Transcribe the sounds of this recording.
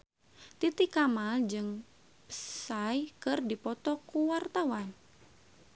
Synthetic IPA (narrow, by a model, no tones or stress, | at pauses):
t̪it̪ikamald͡ʒɨŋ | pə̥sajkɨrdipɔt̪ɔkuwart̪awan